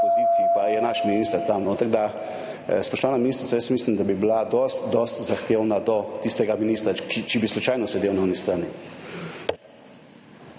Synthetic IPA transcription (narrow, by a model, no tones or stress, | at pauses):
pɔzit̪siipajɛnaʃminiːst̪əɾt̪amnɔt̪aɡd̪a | spɔʃt̪ɔʋaːnaminist̪ɾit̪sajəsmiːslimd̪abibilad̪ɔst̪d̪ɔst̪zaxt̪eːwnad̪ɔt̪ist̪ɛɡaminiːst̪ɾakit͡ʃibislut͡ʃajnɔsɛd̪ewnaɔnist̪ɾaːni